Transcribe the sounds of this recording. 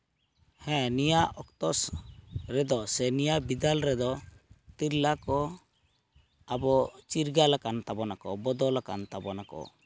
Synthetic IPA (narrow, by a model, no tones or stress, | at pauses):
hɛ̃nijaʔɔkt̪ɔsɾɛd̪ɔsɛnijabid̪alɾɛd̪ɔt̪iɾlakɔ | abɔt͡ʃiɾɡalakant̪abɔnakɔ̰bɔd̪ɔlakant̪abɔnakɔ̰